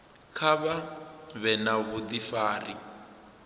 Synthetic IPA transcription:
kʰaβaβɛnaβud̪ifaːri

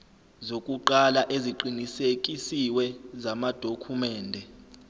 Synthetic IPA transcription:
zokʼuǃalaʔeziǃinisek̬ʼisiwɛzamad̥ʱokʰumɛːndʱɛ

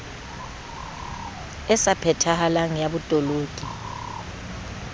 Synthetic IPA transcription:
ɛsapʰɛtʰahalaŋijaβutʼɔloːɡ̥ʼʱi

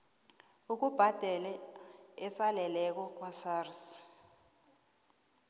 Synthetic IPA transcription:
uk̬ub̥ʱad̥ʱɛlɛɛsalɛlɛk̬ɔk̬ʼwasars

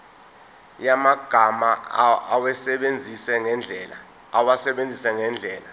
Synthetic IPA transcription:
jamaɡ̥ʱamaawɛsɛɓend͡zʱisɛŋɛnd͡ɮʱɛːla̰ | awasɛɓend͡zʱisɛŋɛnd͡ɮʱɛːla

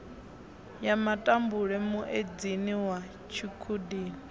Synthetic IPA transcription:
jamatʼambuɺɛmuʔed͡ziniwa | t͡ʃʰikʰudiːni

